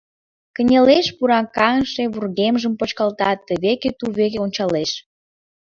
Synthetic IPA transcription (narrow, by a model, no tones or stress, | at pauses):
kə̆nʲeleʃpuɾɑkɑŋʃeβurɣemʒəmpot͡ɕkɑlt̪ɑt̪ːəβeket̪uβekeonʲt͡ɕɑleʃ